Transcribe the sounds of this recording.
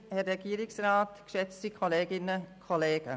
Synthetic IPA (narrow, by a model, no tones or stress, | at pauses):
hɛɾɛɡ̥iəɾɪksraːtkʃɛt͡stikʰɔleːɡɪnəkʰɔleːɡ̥ə